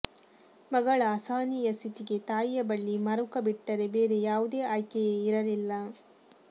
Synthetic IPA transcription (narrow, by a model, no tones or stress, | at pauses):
mɐɡɐɭɐːsaːnijɐst̪it̪iɡe̞t̪aːjjɐbɐɭːimɐɾukɐbiʈːɐɾe̞be̞ːɾe̞jaːʋud̪e̞ːaːjkɛjeːiɾɐlilːɐ